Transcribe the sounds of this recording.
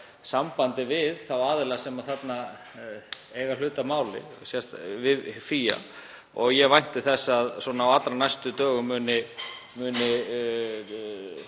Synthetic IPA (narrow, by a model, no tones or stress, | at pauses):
sampant̪ɪvɪðθawaːðɪlasɛmaðθat̪na | eːjɣal̥ʏːt̪amaːwlɪ̰sjɛst̪vɪðfiːja̰ | ɔɣjɛvajn̥t̪ɪθɛsːaðswɔːnaawat̪lɾanajst̪ʏt̪œːɣʏmːʏːnɪmʏːnɪ